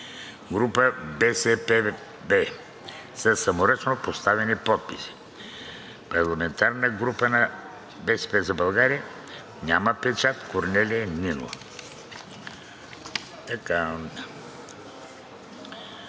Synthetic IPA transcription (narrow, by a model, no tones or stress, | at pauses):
ɡɾupəbɛsɛpɛ | bɛ | sɐsɐmoɾət͡ʃnopost̪avɛnipɔt̪̚pisi̥ | pɐɾlˠɐmɛnt̪aɾnəɡɾupənɐ | bɛsɛ̥pɛzɐbɐlˠɡaɾiə | nʲaməpɛt͡ʃat̪koɾnɛlʲiɛnino̰ | t̪ɐka